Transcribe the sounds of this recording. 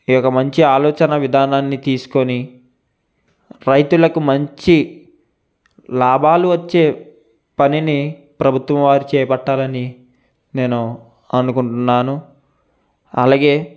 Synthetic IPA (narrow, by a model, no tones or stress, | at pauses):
ijɔkːɐmɐɲt͡ʃiaːlɔːt͡ʃɐnɐʋid̪ʱaːnaːnːit̪iːsu̥ko̞ni | ɾɐjt̪ulɐkumɐɲt͡ʃi | laːbʱaːluʋɐt͡ʃːe̞ː | pɐnini | pɾɐbʱut̪ʋɐmʋaːɾit͡ʃɛːjɐpɐʈːaːlɐni | ne̞ːnu | ɐnukuɳʈunːaːnu | ɐ̰laːɡe̞ː